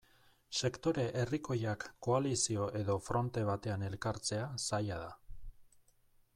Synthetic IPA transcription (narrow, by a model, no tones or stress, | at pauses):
se̞kt̪o̞ɾe̞ʔeriko̞jakːo̞alisio̞ʔe̞ðo̞fɾo̞nt̪e̞β̞at̪e̞ane̞lkaɾt͡se̞asajaða